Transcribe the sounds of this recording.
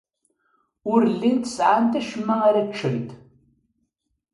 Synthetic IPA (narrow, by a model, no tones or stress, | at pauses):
ʊrɮintʰsʼaːntʰɐʃmɐɐɾɐʈ͡ʂʰɨɣtʰʼ